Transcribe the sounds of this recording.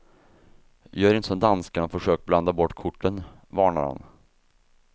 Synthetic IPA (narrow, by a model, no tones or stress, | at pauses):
jɑːæɾɪnt̪əsɔmnd̪anskaɳɔfœʂøːkbland̪abɔʈːkʰʊʈːən | vɑːɳa̰ɾha̰n